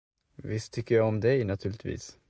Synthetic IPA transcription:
vɪst̪ʰːʏkːəɾjɑɔmd̪ɛnat̪ʰʉːɭɪt̪vḭːs

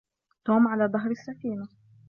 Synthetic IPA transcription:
t̪oːmʕalaːðˤɑɦɾˤasːafiːna

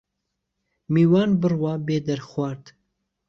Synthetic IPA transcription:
miːwɑːnbɨrwɑːbeːd̪ɐɾxwʷɑːɾd̪

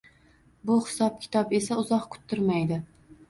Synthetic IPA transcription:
bʊhɪ̥sɒp̚kʲʰɪ̥t̪ʰɒpe̞saʊzɒqkʰʊ̥t̪ʰːʊɾmajd̪ɪ

